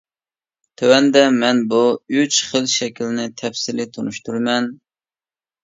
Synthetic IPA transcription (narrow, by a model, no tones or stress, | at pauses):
t̪ʰøwɛnd̪ɛmɛnbuyt͡ʃχəlˠʃɛkʲʰilnɪt̪ʰɛfsɪlɪt̪ʰonuʃt̪uɾmɛn